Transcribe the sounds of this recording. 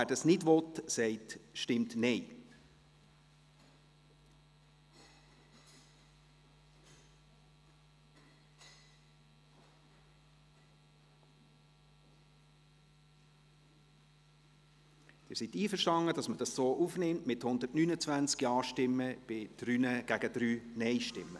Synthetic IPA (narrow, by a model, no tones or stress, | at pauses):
æːdɑsnɪdvɔtsɛɪtʃtɪmtnɛɪ | d̥ɪːɾsitiːfəʃtɑŋəd̥ɑsməd̥ɑssoːʔufnɪmtmɪthʊnd̪ətnynət͡svænt͡skiɑːʃtɪmːəb̥ɪd̥ɾyːnəɡ̥æɡ̥əd̥ɾyːnɛɪʃtɪmːə